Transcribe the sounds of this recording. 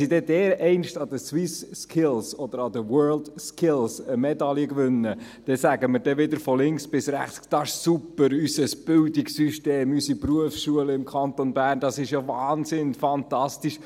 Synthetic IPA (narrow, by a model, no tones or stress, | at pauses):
sidɛdɛːɾɛɪnʃtɑd̥̪əswɪsːkʰɪlsɔd̪əɾɑd̪əwɜːɹldskʰɪlsəmɛd̪ɑljəkʋʏnːə | d̥ɛsæɡəməɾd̥ɛʋɪd̪əɾfɔlɪŋksb̥ɪsɾæ̰χt͡skd̥ɑɪʃsupːəɾysəsb̥ɪldɪksyʃteːmysipruəfsʃuələɪmkʰɑnt̪onbærnd̥ɑsɪʃjovɑːnzɪnfɑnt̪ɑstiʃ